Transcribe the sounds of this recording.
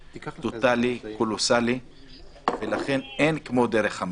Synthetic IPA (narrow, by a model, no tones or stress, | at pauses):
t̪ot̪alikolosali | velaχe̞nenkmo̞d̪eɾeχham